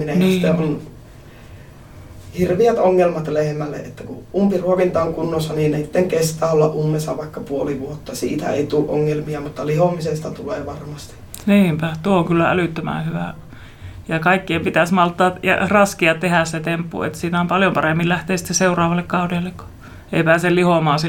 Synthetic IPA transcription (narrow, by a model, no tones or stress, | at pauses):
minenist̪eon | hirʋiæt̪oŋːelmɑt̪lehmælːḛʔʔet̪ːækṵʔumpiruoʋint̪ɑoŋkunːosːɑniːnnesi̥t̪ːeŋkest̪æːolːɑʔʔumːesːɑʋɑˑikːɑpuoliʋuot̪ːɑsḭːt̪æ̰ḛit̪uːʔʔo̰ŋːelmiɑmut̪ːɑlihomisest̪ɑt̪uleːʋɑrmɑst̪i̥ | niːmpæt̪uooŋkylːææ̰lyˑt̪ːømæ̰hyʋæ̰ | jɑkɑikːiempit̪æsmɑlt̪ːɑːtjɑ̰rɑskiɑtt̪ehæsset̪empːṵḛt̪siːnæompɑljompɑremːillæht̪eːsi̥t̪ːesseurˑɑːʋɑlːekkɑˑudelːekko̥ | ḛipæːsellihomɑːsi